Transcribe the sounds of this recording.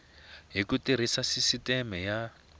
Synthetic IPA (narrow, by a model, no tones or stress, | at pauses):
ɦikutiɾ̤isasisitɛmɛja